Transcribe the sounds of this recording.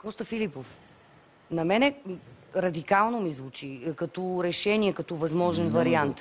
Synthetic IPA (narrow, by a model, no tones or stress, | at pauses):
kɔst̪əfilipof | nɐmɛnɛ | ɾɐd̪ikalˠnomizvut͡ʃikɐt̪ɔɾɛʃɛniɛkɐt̪ɔvɐzmɔʒɛnvɐɾiant̪